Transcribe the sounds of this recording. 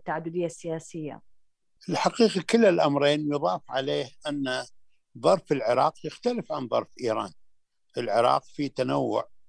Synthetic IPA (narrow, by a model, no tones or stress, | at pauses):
t̪ːaʕad̪ːʊd̪ɪjːasɪjaːsɪjːa̰ | ʔɪlħaqiːqakɪlːɪlʔamɾˤeːnjʊðˤɑːfʕaleːhʔanːa | ðˤɑɾˤfɪlʕɪɾˤɑ̰ːqjɪxt̪alɪfʕanðˤɑ̰ɾˤfʔiːɾˤɑ̰ːn | ʔɪlʕɪɾˤɑ̰ːqfit̪anawːʊ̰ʕ